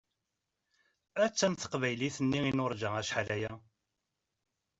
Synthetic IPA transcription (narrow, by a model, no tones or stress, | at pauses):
æt͡sːænθə̥qvæjliθənːiinʊɾˤd͡ʒææʃħlæjæ